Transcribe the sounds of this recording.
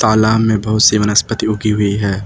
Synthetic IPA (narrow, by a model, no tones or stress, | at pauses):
t̪aːlaːmːẽbɐɦʊt̪siʋɐnəspət̪iʊɡʱiɦʊiɦɛː